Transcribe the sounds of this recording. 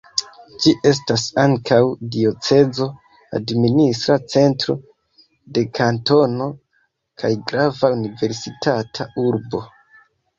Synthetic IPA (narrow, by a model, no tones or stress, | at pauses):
d͡ʒiʔe̞s̬tasaŋkawdio̞t͡se̞d͡zo̞ | a̰dministɾat͡se̞ntɾo̞̰ | de̞kʰanto̞no̞ | kʰajɡɾavaunive̞ɾsitatʰauɾbo̞